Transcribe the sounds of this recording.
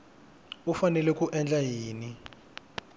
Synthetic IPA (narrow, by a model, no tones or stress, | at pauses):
ufanɛlɛkʼuʔɛnd͡ɮʱajiːni